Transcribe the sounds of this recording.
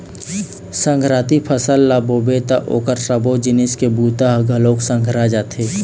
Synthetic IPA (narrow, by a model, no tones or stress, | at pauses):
sə̃ŋɡʱɾaːt̪ipʰəsəlːabobet̪a̰ʔo̰ːkəɾsəbod͡ʒɪnɪskebuːt̪aɦɡʱɐloːksə̃ŋɡʱɾad͡ʒaːt̪ʰeː